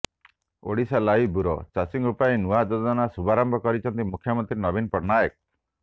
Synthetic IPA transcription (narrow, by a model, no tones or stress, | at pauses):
o̰ɽisalaibuɾɔt͡ʃasiŋɾupaenuad͡ʒɔd̪ɔnasubʱaɾɔmbʱɔkɔɾit͡ʃʰɔnt̪imukʰjɔmɔnt̪ɾinɔbinpɔɾnajɔk̚